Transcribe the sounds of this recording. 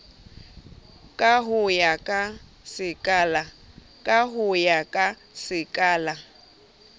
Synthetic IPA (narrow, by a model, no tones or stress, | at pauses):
kʼaɦʊjakʼa | sɪkʼaːla | kʼaɦʊjakʼa | sɪkʼaːla